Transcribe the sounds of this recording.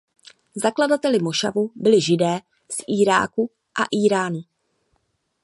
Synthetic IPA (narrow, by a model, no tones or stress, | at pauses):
zakladat̪ɛlɪmoʃa̰vubɪlɪʒɪdɛː | sʔiːɾa̰ːku | ʔa̰ʔiːɾaːnʊ